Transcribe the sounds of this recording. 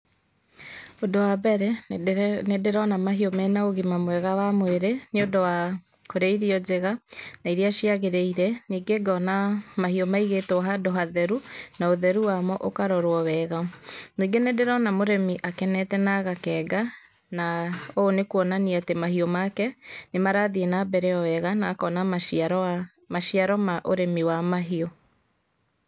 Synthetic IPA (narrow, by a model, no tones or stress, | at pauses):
odowabɛɾɛ | nedeɾɔnamaɦiɔmɛːnaoɣimamowɛɣawamweɾeneodowa | koɾeiɾiɔd͡ʒeɣanaiɾiaʃiaɣeɾeiɾɛniːɡeɡɔnamahiɔmaiɣetɔɦadoɦaðɛɾunaoðɛɾuwamɔʔokaɾɔɾwɔwɛɣanwiɡenedeɾɔnamoɾemiʔakɛnɛtɛnaɣakɛːɡa | naoːnekuɔnaniatemahiɔmakɛnemaɾaðienabɛɾɛɔwɛɣanaːkɔnaa | maʃiaɾɔmaʔoɾemiwamaɦiɔ